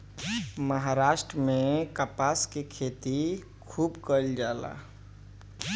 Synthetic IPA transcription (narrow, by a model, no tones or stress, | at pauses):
məɦaɾaːʃʈɾəmẽkapaskikʰeːt̪i | kʰuːbkəld͡ʒaːla̰ː